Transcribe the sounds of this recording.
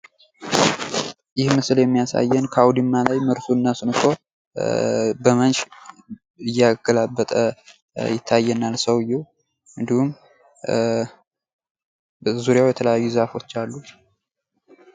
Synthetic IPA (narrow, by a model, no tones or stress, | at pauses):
jɪhmɨsɨljɛmːijasa̰jːɛnkʰawd̪imːalajməɾsuɨnːasɨnɨkʰo̞ | bəmənʃ | ɨjːaɡəlabːət̪ʼə̰ | jɪt̪ʰːajːɛnalsəwɨjːɛ | ɨnd̪ihum | zuɾjawjɛt̪ʰələjajːuzafo̞t͡ʃːalːu